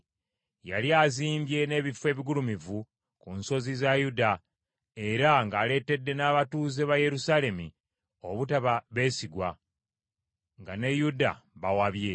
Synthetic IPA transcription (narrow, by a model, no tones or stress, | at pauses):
jaliaziːmbje̞ne̞ːβifwe̞ːβiɡulumivu | kunso̞zizajuda | e̞ɾaŋɡaːle̞te̞dːe̞naːβatuːze̞βaje̞ɾusale̞mḭ | o̞βutaβaβe̞ːsiɡwa | ŋɡane̞juda̰βawaβje̞